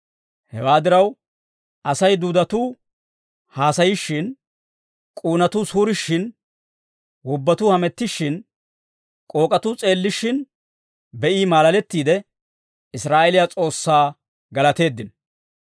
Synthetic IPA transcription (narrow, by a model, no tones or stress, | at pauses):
hɛwaːd̪ɪɾɐw | ʔɐsɐjd̪uːd̪ɐt̪uː | haːsɐjɪʃːɪn | kʼuːnɐt̪uːsuːɾɪʃːɪn | wɔbːɐt̪uːhɐmɛt̪ːɪʃːɪn | kʼo̞ːkʼɐt̪uːt͡sʼe̞ːlːɪʃːɪn | bɛʔiːmaːlɐlɛt̪ːiːd̪ɛ | ɪsɾaːʔɛlɪjat͡sʼo̞ːsːaː | ɡɐlɐt̪e̞ːd̪ːɪn